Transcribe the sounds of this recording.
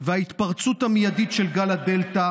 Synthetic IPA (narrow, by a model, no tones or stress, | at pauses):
vehait̪paʁt͡sut̪hamijaditʃelɡalad̪e̞lt̪a